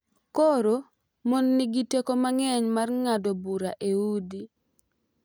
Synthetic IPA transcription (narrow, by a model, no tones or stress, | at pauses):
koɾo | monːɪɡitekomaŋɛɲmarŋadobuɾaʔeudi